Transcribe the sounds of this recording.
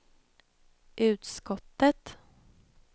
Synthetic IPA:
ʔʉ̟ːt̪skɔt̪ːət̪

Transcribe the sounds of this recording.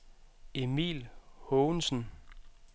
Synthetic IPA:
e̝mḭlhɔʊnsn̩

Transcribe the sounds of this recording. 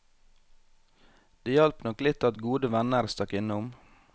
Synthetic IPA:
d̪̥eːjɑlpnɔklɪt̪ɑt̪ɡuːd̪əʋænəɾst̪ɑkɪnəʊm

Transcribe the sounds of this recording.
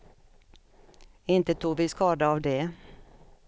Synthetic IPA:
ɪnt̪ət̪ʰuːɡʋiːskɑːd̪əɑːʋd̪eː

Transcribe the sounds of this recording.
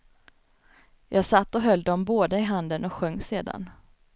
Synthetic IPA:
jʔɑːɡsat̪ːɔɦœlːd̪ɔmboːd̪əɪɦand̪ənɔkɧœŋːseːd̪a̰n

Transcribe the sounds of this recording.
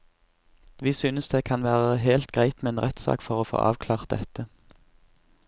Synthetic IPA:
ʋiːsyːnəsd̪eːkʰɑnʋæːʁəɦelt̪̚ɡ̥ʁæɪt̪meːeːnʁɛt̪sɑ̰ːkfɔʁoːfo̰ːʔɑ̰ːʋkʰlɑːʁt̪̚d̪ɛt̪ə

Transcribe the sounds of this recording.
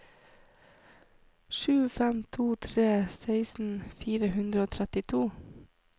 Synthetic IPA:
ʃʉːfɛmt̪ʰuːt̪ʰɾeːsæɪsn̩fiːɾəhʉnd̪ɾəoːt̪ʰɾɛt̪ɪt̪ʰuː

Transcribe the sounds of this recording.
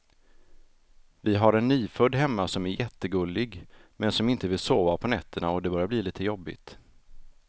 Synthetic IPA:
vɪɦaɾɛnːiːfɵd̪ɦɛmːasɔmæɾjɛt̪ːəɡɵlːɪɡmɛnsɔmɪnt̪əvɪlsoːvapʰɔnɛt̪ʰːəɳa̰ɔd̪ɛbɑɾjabliliːt̪əjɔbːɪ̰t̪

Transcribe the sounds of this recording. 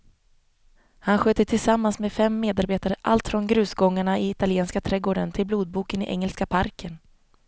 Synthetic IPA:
hanɧøːt̪ət̪ʰɪlsamːansmeːd̪fɛmːeːd̪aɾbeːt̪aɾəʔa̰lt̪fɾɔnɡɾʉ̟ːsɡɔŋːaɳaɪɪt̪alɪeːnskat̪ʰɾɛɡoːɖənt̪ʰɪlbluːd̪̚buːkənɪʔɛ̰ŋːɛlskapʰaɾkʰən

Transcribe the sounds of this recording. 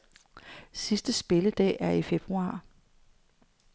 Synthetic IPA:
sisd̥əsb̥e̝ləd̥ɛ̰ːʔæɐife̝b̥ʁuɑ̰̈ː

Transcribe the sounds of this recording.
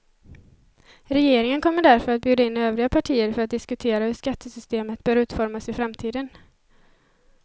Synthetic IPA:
ɾɛjeːɾɪŋənkʰɔmːəɖæɾfœɾat̪bjʉːd̪aɪnːøːvɾɪɡapʰaʈʰiːəɾfœɾat̪̚d̪ɪskɵt̪ʰeːɾahɵʂkat̪ʰːəsʏst̪eːmət̪b̥œːɾʉ̟ːt̪fɔɾmasɪfɾamt̪ʰiːd̪ən

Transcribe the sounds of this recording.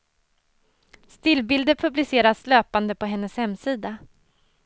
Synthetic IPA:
st̪ɪlbɪld̪əɾpʰɵblɪseːɾasløːpand̪əpʰɔɦɛnːəshɛmːsiːd̪a

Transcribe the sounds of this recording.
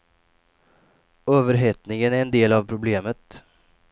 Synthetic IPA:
øːvəɾɦɛt̪nɪŋənæɾɛnd̪eːlavpʰɾʊbleːmət̪

